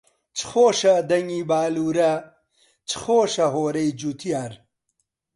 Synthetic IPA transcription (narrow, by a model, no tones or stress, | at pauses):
t͡ʃxoːʂad̪ɐŋibaːluɾa | t͡ʃxoːʂɐɦoːɾejd͡ʑut̪ʰjaːɾ